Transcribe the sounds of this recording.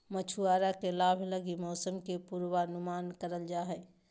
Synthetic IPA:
mət͡ʃʰuaːɾakelaːbʱləɡimɔːsəmkepuɾʋanʊmaːnkəɾəld͡ʒaːɦɛ

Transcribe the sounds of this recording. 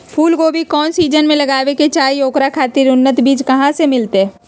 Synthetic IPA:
pʰuːlkoːbʱikɔːnsiːd͡ʒənmẽlɐɡaːʋeket͡ʃaːijoːkɾakʰaːt̪iɾʊnːət̪biːd͡ʒkɐɦãsemɪlt̪e

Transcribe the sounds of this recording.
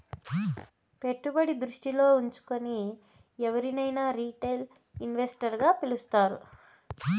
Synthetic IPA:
pe̞ʈːubɐɽid̪ɾuʂʈilo̞ːuɲt͡ʃu̥koni | ɛʋɐɾinɐjnaːɾiːʈejl | inʋesʈɐɾɡaːpilust̪aːɾu

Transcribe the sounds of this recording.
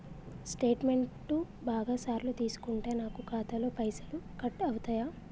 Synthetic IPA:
sʈe̞ːʈme̞ɳ | u | baːɡaːsaːɾlut̪iːsu̥kuɳʈe̞ːnaːkukaːt̪ɐlo̞ːpɐjsɐlukɐʈɐwut̪aːjaː

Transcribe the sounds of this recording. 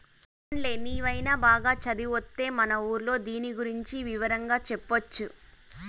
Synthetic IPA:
ɐɳle̞ːniːʋɐjnaːbaːɡaːt͡ʃɐd̪iʋot̪ːe̞ːmɐnɐuːɾlo̞ːd̪iːniɡuɾiɲt͡ʃiʋiʋɐɾɐŋɡaːt͡ʃɛpːot͡ʃːu

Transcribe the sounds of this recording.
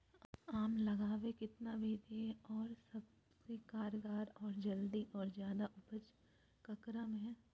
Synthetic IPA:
aːmlɐɡaːʋekɪt̪nabʱiːd̪eɔːɾsɐb̚ | sekaːɾɡaːɾɔːɾd͡ʒɐld̪iʔɔːɾzjaːd̪aʔʊpət͡ʃ | kɐkɾəmɦɛ̃ː

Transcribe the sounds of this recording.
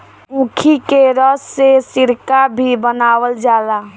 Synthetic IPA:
ũkʰikeɾəsːesiɾkabʱibənaːwəld͡ʒaːla

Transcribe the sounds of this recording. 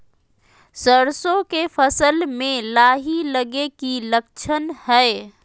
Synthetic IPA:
səɾsõkepʰəsəlmẽlaːɦiləɡekiləkt͡ʃʰənhɛɪ

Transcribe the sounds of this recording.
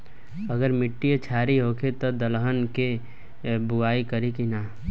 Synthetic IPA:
əɡəɾmɪʈːiet͡ʃʰaːɾiɦokʰet̪od̪əlɦənke | buaːikəɾikina

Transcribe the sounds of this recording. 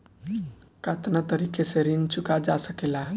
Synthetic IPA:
kat̪nat̪əɾikeseɾint͡ʃukad͡ʒasəkela

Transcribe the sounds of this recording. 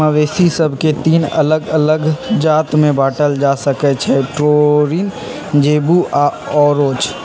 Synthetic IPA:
əʋeːsisɐbʱket̪iːnɐ̰ləɡɐləɡd͡ʒaːt̪mẽbaːʈəld͡ʒaːsəkɛt͡ʃʰɛʈɾoːɾin | d͡ʒeːbuʔa | ɔːɾoːt͡ʃ

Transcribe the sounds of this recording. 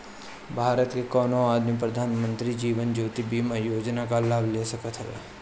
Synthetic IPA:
bʱaːɾət̪kekɔːnõaːd̪mip̬ɾəd̪ʱaːnmə̃nt̪ɾid͡ʒiːʋənd͡ʒoːt̪ibiːməjoːd͡ʒnakalaːblesəkət̪ʰɦəʋḛ

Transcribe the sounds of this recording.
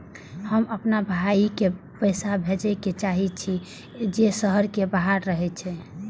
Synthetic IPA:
həməpnabʱaike | pəjsabʱed͡ʒɛket͡ʃaɦit͡ʃʰi | d͡ʒesəɦəɾkebaɦaɾːəɦɛt͡ʃʰɛ

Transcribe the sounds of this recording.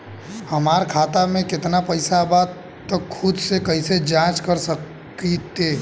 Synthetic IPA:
həmaɾkʰat̪amẽkɪt̪napəɪsabad̪ | əkʰːʊd̪sekəɦised͡ʒãt͡ʃkəɾsək | it̪e

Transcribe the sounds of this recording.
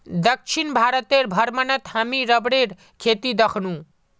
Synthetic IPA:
d̪ək̚t͡ʃʰinbʱaɾət̪eɾbʱəɾmənət̪hamiɾəbɽeɾ | kʰet̪id̪əkʰnũ

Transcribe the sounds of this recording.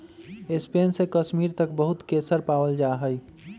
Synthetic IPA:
espeːnsekəʃmiːɾt̪əkbəɦʊt̪kesəɾpaːwəld͡ʒaɦəj

